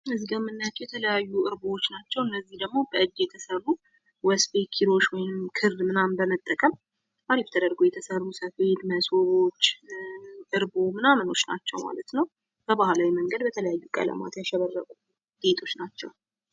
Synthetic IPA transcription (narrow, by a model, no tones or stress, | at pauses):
ɨzɡəmɨnːajat͡ʃːjɛt̪ʰələjajːuʔɨɾbowot͡ʃːnat͡ʃːɛwɨnːəzːihd̪əɡmo̞bəɨdjɛt̪ʰəsərːu | wɛspekʰiɾo̞t͡ʃːwɔjnɨmkʰɨrmɨnambəmət̪ʼːəkʼəm | ʔaɾift̪ʰəd̪əɾɡojɛt̪ʰəsərːusəfe̞t̪məsoɾo̞t͡ʃː | ʔɨɾbomɨnaməno̞t͡ʃːna̰t͡ʃːɛwma̰lət̪nəw | b̥əbahlawiməŋɡəd̪bət̪ʰələjajːukʼə̰lə̰ma̰t̪jaʃɛβərːəkʼu | d̪et̪ʰo̞t͡ʃːnat͡ʃːɛ̰w